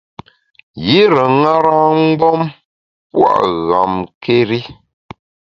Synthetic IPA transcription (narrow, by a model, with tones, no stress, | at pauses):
ji˦ɾə˨ŋa˦ɾa˦ŋ̩˦ɡ͡bɔ˦m | pwa̰˦˨ʔɣa̰˨mke˦ɾi˦